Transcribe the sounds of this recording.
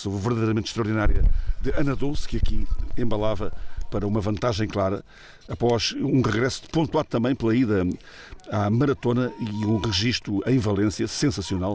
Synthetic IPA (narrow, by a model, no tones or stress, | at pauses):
sovvɨɾðɐðejɾɐmẽnt̪ʃt̪ɾɐuɾðinaɾjɐd̪ɨɐnɐðoskɨɐkiẽmbɐlˠavɐpɐɾɐumɐvɐ̃nt̪aʒɐ̃j̃klˠaɾɐː | pɔʃũʁɨɣɾɛsu̥põnt̪waðut̪ɐ̃mbɐ̃j̃plˠɐiðɐ | amɐɾɐt̪onɐiũʁɨʒiʃt̪uẽj̃vɐlˠẽsjɐsẽsɐsiunalˠ